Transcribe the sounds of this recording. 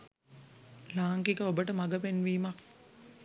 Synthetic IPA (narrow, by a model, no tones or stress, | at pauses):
laːŋkikəobəʈəmaɡəpenʋiːmak